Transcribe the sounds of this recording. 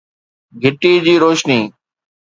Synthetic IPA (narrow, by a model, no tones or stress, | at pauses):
ɡʱɪʈiːd͡ʑiːɾoːʃniː